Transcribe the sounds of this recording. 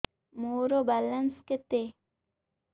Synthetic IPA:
moɾobalɐnsket̪e

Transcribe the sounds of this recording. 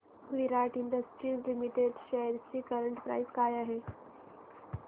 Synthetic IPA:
ʋiɾaʈiɳɖəsʈɾiːzlimiʈeɖɕəjəɾt͡ɕiːkəɾəɳʈpɾa̰jskajaɦe

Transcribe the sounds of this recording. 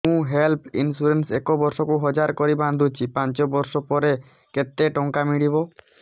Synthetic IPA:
ũɦelpʰḭnsuɾensekobɔɾsɔkuɦɔd͡ʒaɾkɔɾiband̪ʱut͡ʃʰipãnt͡ʃɔbɔɾsɔpɔɾe | ket̪eʈɔŋkamiɽiβo

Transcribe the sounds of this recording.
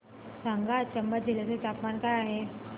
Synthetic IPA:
sãŋɡat͡ɕəmbəd͡ʑileset̪apmankajaɦe

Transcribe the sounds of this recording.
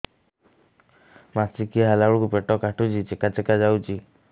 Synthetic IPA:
masikiaɦalaɽukupeʈɔkaʈut͡ʃit͡ʃekat͡ʃekad͡ʒawt͡ʃi

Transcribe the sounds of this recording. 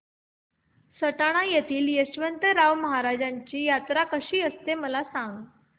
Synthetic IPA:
səʈaɽ̃ajet̪iːljəɕʋənt̪əɾaʋməɦaɾad͡ʑaɲt͡ɕiːjat̪ɾakəɕiːəst̪eməlasãŋɡ

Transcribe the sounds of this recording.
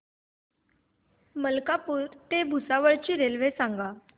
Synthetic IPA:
məlkapuːɾt̪ebʱusaʋəɭt͡ɕiːɾelʋesãŋɡa

